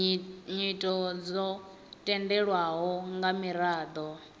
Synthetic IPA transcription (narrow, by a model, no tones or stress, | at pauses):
ɲitʼɔd͡zɔ | tʼɛndɛɺwaɦɔŋɡamiɾaːd̪ɔ